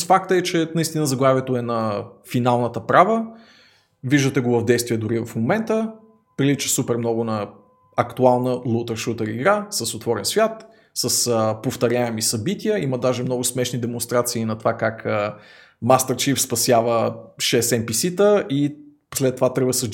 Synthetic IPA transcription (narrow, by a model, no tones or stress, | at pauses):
fak̚t̪əɛt͡ʃɛnɐist̪inəzɐɡlˠaviɛt̪oɛnɐfinalˠnət̪əpɾavə | viʒd̪ət̪ɛɡovɐvd̪ɛjst̪viɛd̪ʊɾivɐfmomɛnt̪ə | pɾilit͡ʃə̥supɛɾmnɔɡʊnɐ | ɐkt̪ualˠnəlˠut̪əɾʃut̪əɾiɡɾasəsot̪vɔɾɛnsvʲjat̪ | səsəpoft̪ɐɾʲjaɛmisɐbit̪ʲiəiməd̪aʒɛmnɔɡʊsmɛʃnid̪ɛmonst̪ɾat̪siːnɐt̪ovakakə | mast̪əɾt͡ʃifspɐsʲjavəʃɛsɛmpisit̪əʔi | slɛt̪ːovat̪ɾɛvəsə